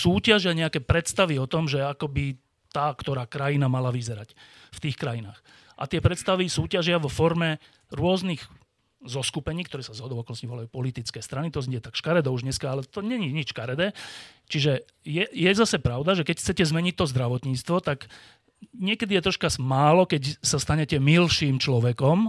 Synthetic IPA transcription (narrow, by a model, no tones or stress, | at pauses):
suːcaʒɪaɲɛakɛːpɾɛt̪st̪aʋiɔt̪ɔmʒɛakɔbi | t̪aːkt̪ɔɾaːkɾajinamalaʋizɛɾacft̪iːxkɾajina̰ːx | ʔa̰t̪ɪɛpɾɛt̪st̪aʋisuːcaʒɪaʋɔfɔɾmɛ | ɾʊɔzniɣ | zɔskupɛɲiːkt̪ɔɾɛːsazɦɔd̪ɔʊɔkɔlnɔsciʋɔlajupɔlit̪it͡skɛːst̪ɾanit̪ɔzɲɛɟɛt̪akʃkaɾɛd̪ɔuʒɲɛskaalɛt̪ɔɲɛɲiɲit͡ʃʃkaɾɛd̪ɛːt͡ʃiʒɛ | jɛjɛzasɛpɾaʊd̪aʒɛkɛcxt͡sɛcɛzmɛɲit̚t̪ɔzd̪ɾaʋɔt̪ɲiːt͡st̪ʋɔt̪aɡ | ɲɪɛkɛd̪ijɛt̪ɾɔʃkamaːlɔkɛcsast̪aɲɛcɛmilʃiːmt͡ʃlɔʋɛkɔm